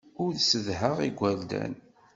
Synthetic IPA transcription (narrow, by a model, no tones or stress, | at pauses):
ʊɾðsəðɦəʁiɡʷːæld̪æ̰n